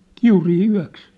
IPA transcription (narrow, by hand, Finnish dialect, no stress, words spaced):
kiuriː yæ̝ks